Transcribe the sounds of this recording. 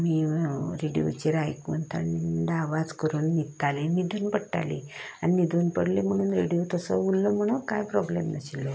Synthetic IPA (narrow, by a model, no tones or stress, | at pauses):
miːɾeɽijo̰t͡ɕeɾajkunt̪a̰ɳniɖaʋad͡zkəɾuːnːit̪ːalemiːd̪ʱonpəɽʈa̰lḭanimid̪uːnpəɽlem̤əɽ̃uːnɾeɽijot̪əsəulːəm̤əɽ̃ukajpɾɔblemnəɕilːɔ